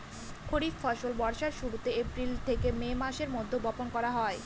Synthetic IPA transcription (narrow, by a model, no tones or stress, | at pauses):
kʰoɽiffɔʃolbɔɾʃaɾʃuɾut̪eepɾilt̪ʰekememaʃeɾmod̪ʱːobɔponkɔɾaɦɔe